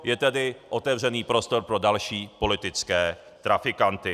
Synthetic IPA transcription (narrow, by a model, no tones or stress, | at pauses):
jɛt̪ɛdɪʔo̞t̪ɛvr̝ɛniːpɾo̞st̪o̞ɾpɾo̞dalʃiːpo̞lɪt̪ɪt͡skɛː | t̪ɾafɪkant̪ɪ